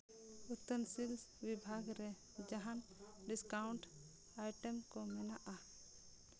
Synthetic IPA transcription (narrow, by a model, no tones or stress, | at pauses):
ut̪ːənsilsbibʱaɡɾɛ | d͡ʒaɦanɖiskawɳʈ | ajʈemkɔmɛnaʔa